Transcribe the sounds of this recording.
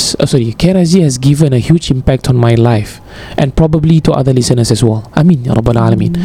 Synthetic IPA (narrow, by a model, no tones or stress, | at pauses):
əsɔɹikʰɛɾazihɛsɡivə̃nəhjud͡ʒĩmpɛk̚tʰɔ̃nmajlaɪf | ʔɛ̃npɹɔbəblituʔa̰ðəlisənəsɛswɛlʔamĩnjɾɔbəla̰ləmĩn